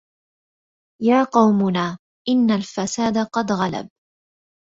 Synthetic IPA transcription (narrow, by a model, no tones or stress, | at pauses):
jaːqɑwmʊnaː | ʔɪnːalfasaːd̪aqɑd̪ɣala̰b̚